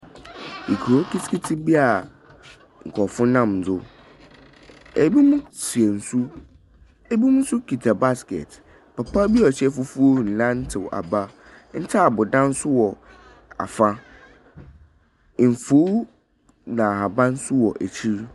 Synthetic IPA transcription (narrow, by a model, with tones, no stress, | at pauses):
i˨kʰo˦kʰi˦skʰi˦tʰi˦bi˦a˨ | ŋ̩˨kʰɔ˨fʊ̃˦nã˦˨m˨d͡zʊ˦ | e˨˦bi˦mʊ̃˦si˨ɛ˨n̩˨su˦ | e˦bi˦mʊ̃˦sʊ˦kʰi˨tʰa˨ba˦skɛ̰˨t | pa˨pʰa˦bi˦ɔ˨ɕɛ˦fʊ˦fu˦o˦˨n̩˨lã˦n̩˦tʰɪ˨wa̰˨ba˦ | n̩˦tʰa˦a˨bʊ˨dã˦n̩˦sʊ˦wɔ˨ | a̰˨fa˦˨ | m̩˨fo˦ | nã˨ha˨bã˦n̩˦sʊ˦wɔ˨ʔæ˨t͡ɕʰi˦ɾ